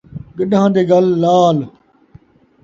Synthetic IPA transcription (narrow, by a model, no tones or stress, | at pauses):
ɡəɗãːd̪eːɡəlːaːl